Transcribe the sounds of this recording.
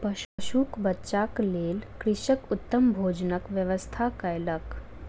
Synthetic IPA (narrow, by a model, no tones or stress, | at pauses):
pəʃuːkbətːʃakleːlkɾiʃəkut̪ːəmbʱoːd͡ʒnəkʋjəʋəst̪ʰakəjlək